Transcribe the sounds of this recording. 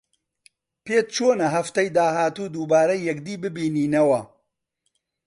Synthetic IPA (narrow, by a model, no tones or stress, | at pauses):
peːt̪̚t͡ʃʰoːnɐɦɐft̪ɐjd̪aːɦaːt̪uːd̪uːbaːɾɐjːɛkd̪iːbɨbiːniːnɐwɐ